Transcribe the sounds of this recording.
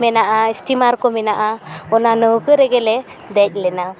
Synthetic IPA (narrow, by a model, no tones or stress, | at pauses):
mɛnaʔaisʈimaɾkɔmɛnaʔaɔnanəwkəɾeɡɛlɛ | d̪ɛc̚ˀlɛna